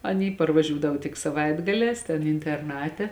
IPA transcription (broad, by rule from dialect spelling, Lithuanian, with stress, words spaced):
ɐˈnʲiː pɐrʋˈɑːʒʲuːdɐw tʲɪk sɐˈʋɐɪdɡɐlʲɛːs tʲɛn ɪnʲtʲɛrˈnɑːtʲɛ